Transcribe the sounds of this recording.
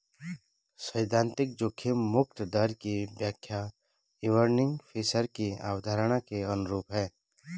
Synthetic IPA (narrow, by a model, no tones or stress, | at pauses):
səɪd̪ãːnt̪ɪk̚d͡ʒokʰemmʊk̚t̪d̪əɾkibjakʰːja | ɪʋəɾnɪ̃ŋɡpʰiːsəɾkia̰ːwd̪ʱaːɾəɽ̃akeɐnʊɾuːpɦɛ̃ː